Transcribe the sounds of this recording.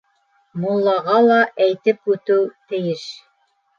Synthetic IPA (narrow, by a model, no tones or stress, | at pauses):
mulˠːɑʁɑlˠɑʔæjt̪ɘpʉt̪ɘwt̪ɘ̆jɘʃ